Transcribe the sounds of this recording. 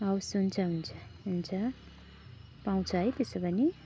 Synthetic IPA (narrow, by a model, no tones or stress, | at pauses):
ʌwsunt͡sʰʌɦunt͡sʰʌɦunt͡sʰʌ | paw̃t͡sʰʌɦʌjt̪esobʌni